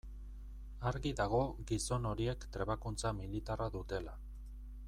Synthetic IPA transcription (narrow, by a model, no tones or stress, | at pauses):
aɾɣiðaɣ̞o̞ɣiso̞no̞ɾie̞kt̪ɾe̞βakunt͡samilit̪araðut̪e̞la